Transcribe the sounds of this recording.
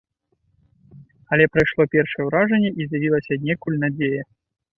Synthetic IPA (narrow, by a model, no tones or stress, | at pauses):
ɐlʲɛpɾɐjʂlˠɔpʲɛrʂɐjɛwɾaʐɐnʲːɛʔizʲjavʲilˠɐsʲɐnʲɛkulʲnad͡zʲejɐ